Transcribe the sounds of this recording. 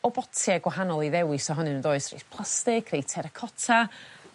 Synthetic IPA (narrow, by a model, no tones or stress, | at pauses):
ɔbɔtʰjaɡwaɦanɔlˠiðɛwɪsɔɦɔnɨnəndoːɨsrḛspʰlˠastɪkʰrejtʰɛɾəkʰɔtʰa